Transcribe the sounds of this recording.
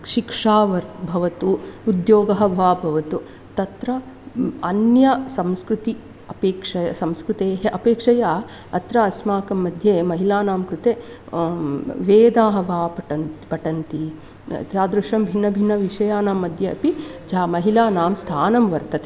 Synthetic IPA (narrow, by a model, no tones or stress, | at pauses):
ʃikʂaːʋɐɾbʱɐʋɐt̪uːd̪joːɡɐɦɐʋaːbʱɐʋɐt̪u | t̪ɐt̪ɾɐ | ɐnjɐsɐmskɾut̪i | ɐpeːkʂɐjɐsɐmskɾut̪eːɦɐʔɐpeːkʂɐjaː | ɐt̪ɾɐɐsmaːkɐmːɐd̪ʱjemɐɦilaːnaːmkɾut̪eː | ʋeːd̪aːɦɐʋaːpɐʈɐnpɐʈɐnt̪ḭ | t̪jaːd̪ɾuʂɐmbʱinːɐbʱinːɐʋiʂɐjaːnaːmːɐd̪ʱjɐɐ̰pid͡ʒaːmɐɦilaːnaːmst̪ʰaːnɐmʋɐɾt̪ɐt̪e̥